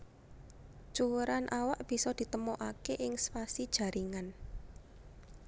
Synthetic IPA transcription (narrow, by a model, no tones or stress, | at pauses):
t͡ʃuɾanʔawaʔb̥i̤sɔd̪̥i̤t̪əmoʔakeʔɪŋsfasid̥ʒ̥ä̤ɾʔiŋan